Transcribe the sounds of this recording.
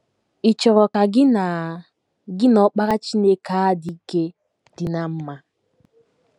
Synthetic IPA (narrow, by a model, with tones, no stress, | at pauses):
i˨t͡ʃɔ˨ɾɔ˨ka˨ɡɪ˦na˨ | ɡɪ˦nɔ˦k͡pa˦ɾa˦t͡ʃi˦ne˦ka˦di˦ke˦ | d̥ɪ˨na˦m̩˦ma˦